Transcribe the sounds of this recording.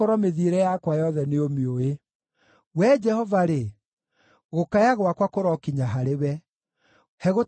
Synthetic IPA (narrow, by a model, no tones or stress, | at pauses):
oɾɔmeðiɾɛjakwajɔðɛneomioe | wɛd͡ʒɛhɔvaɾe | ɣokajaɣwakwakoɾɔkiɲaɦaɾewɛ | hɛɣo